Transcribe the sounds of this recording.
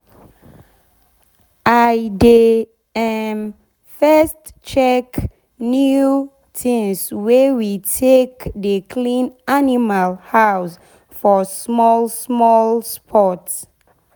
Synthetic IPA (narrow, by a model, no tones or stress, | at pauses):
ʔajde | ɛm | fɛst | t͡ʃɛk | nju | tʰĩnswewitʰekdəkʰlĩnanimalhaws | fɔsmɔlsmɔlspʰɔts